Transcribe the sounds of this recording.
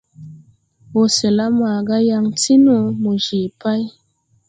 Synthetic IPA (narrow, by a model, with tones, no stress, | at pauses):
wo˨se˨la˦ma˨ɡa˦ja˦ŋti˦no˦mu˨ʒi˨pa˦j